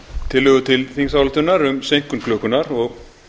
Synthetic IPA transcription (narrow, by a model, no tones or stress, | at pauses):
t̪ʰɪlːʏɣʏt̪ʰɪlθiŋs̬awlɪt̪ʏnːaɾʏmsejŋ̥kʏnkʰlœːkʏnaɾɔɣ